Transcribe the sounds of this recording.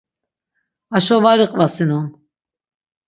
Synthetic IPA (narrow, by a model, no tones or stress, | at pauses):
aʃɔvaɾiqʼvasinun